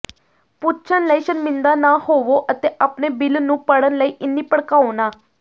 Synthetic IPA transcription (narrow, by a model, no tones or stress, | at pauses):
put͡ɕʰənlaiɕənmind̪anahoʋoʔət̪eʔapnebilnuːpəɽənlaiʔinːiːpəɽkaʋna